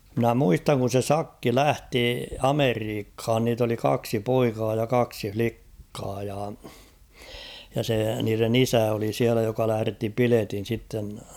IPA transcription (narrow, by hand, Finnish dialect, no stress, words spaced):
mɪ̆næ muistɑŋ kun̞ se sɑkːi læhti ɑmeriːkhɑːn niːt oli kɑksi poikɑː jɑ kɑksi flikːɑː jɑ jɑ se niːren isæ oli siælæ jokɑ læhæ̆retːi piletin̞ sitːen